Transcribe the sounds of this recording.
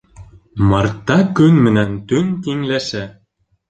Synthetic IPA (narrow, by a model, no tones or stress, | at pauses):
mɤrt̪ːɑkynmɘ̆nænt̪ynt̪iŋlæʃæ